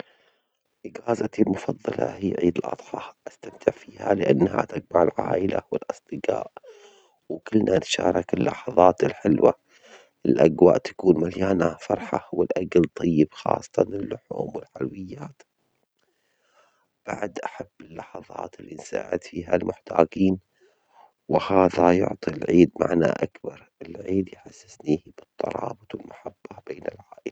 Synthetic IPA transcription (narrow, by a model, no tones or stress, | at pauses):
ʔɪɡaːzat̪ilmʊfɑðˤːɑlʔɑ̰hiːʕiːd̪ɪlʔɑ̰t̪ˤħɑʔast̪amt̪ʰɪʕfiːhalɪʔanːha̰t̪aɡ̚maʕɪlʕaːʔɪla̰wɪlʔɑsˤd̪̥ɨqaːʔ | wkɪlnʔanʃaːɾˤɑkɪlːɑħɑðˤɑːt̪ɪlħɪlwa | ʔɪlʔaɡwaːʔt̪ḁkuːnmaljaːnafɑɾˤħɑwɪlʔaɡalt̪ˤʰɨjːɪbxɑ̰ːsˤːɑ̥t̪ɑnɪlːʊħuːmwɪlħalwɪjːaːt̪ | b̥aʕd̪ʔaħabːɪlːɑħɑðˤɑ̰ːt̪ɪlːinsa̰ːʕɪ̰d̪fiːɦalmʊħt̪ʰaːɡiːn | wɪhaːðajʊ̰ʕt̪ˤilʕiːd̪ma̰ʕna̰ʔakbɑɾˤɪlʕiːd̪jħasːɪsniːhb̥ɨt̪ˤʰːɑ̰ɾˤɑːbɨt̪ˤwɪlmaħabːab̥eːnɪlʕaːʔɪla